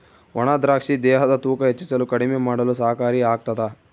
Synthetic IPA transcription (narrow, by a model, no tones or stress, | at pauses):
ʋɐɳaːd̪ɾaːkʂid̪ɛːɦɐd̪ɐt̪uːkɐɦet͡ʃːisɐlukɐɽimemaːɽɐlusɐːɦɐkaːɾiaːɡ̚t̪ɐd̪ɐ